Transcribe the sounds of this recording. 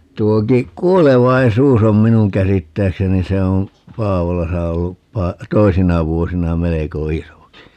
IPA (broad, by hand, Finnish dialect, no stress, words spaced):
tuoki kˑuoleʋɑisuːs om minuŋ kæsitːæːkseni se om pɑːʋolɑsɑ olːup pɑ toisinɑ ʋuosinɑ meleko isoki